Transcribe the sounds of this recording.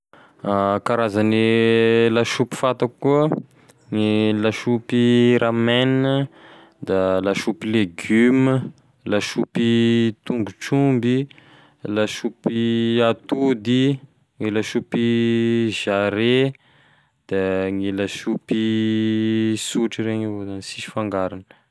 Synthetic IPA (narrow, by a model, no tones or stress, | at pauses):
akaɾazanilaʃupi̥fat̪akuə | ŋilaʃupiɾamenə | d̪alaʃupileɡymə | laʃupit̪uŋɡut͡ʃumbi | laʃupiat̪ud̪i | ŋilaʃupi | ʒ̥aɾe | d̪̥aŋilaʃupi | suʈ͡ʂiɾeɲizanisiʃi̥faŋɡaɾanə̥